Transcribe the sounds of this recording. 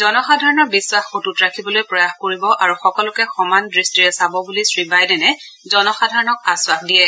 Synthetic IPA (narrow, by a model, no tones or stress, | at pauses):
zɔnɔxadʱaɹɔnɔɹbiswaxxotutɹakʰibɔlojpɹɔjaxkoɹibɔʔaɹuxɔkɔlʊkɛxɔmandɹistiɹɛsabɔbulisɹibajdɛnɛ | zɔnɔxadʱaɹɔnɔkaswaxdiɛ